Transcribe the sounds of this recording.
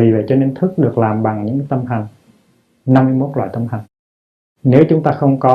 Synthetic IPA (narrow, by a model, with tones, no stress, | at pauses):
vi˨˩və̰˧˨˩jt͡ɕɔ˧ne˧nt̪ʰɨ˦˥k̚ɗɨ˨˩ək̚laː˨˩mɓa˨˩ŋɲɨ̰˧˥ŋt̪ə˧mta˨˩ŋ̟ | na˧mːɨ˧jmo˦˥t̚la̰ː˧˨jt̪ə˧mɦa˨˩jŋ̟ | ne˨˦wt͡ɕʊ˨˦ŋ͡mt̪aː˧xə˧wŋ͡mkɔ˨˦